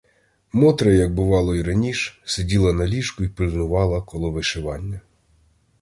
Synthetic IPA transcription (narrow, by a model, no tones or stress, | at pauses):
mɔt̪ɾɐjɐɡ̚bʊʋɑlˠɔiɾɐnʲiʃɛ̥sedʲilˠɐnɐlʲiʃkʊipɪlʲznʊʋɑlˠɐkɔlˠɔʋɪʃɪʋɑnʲːɐ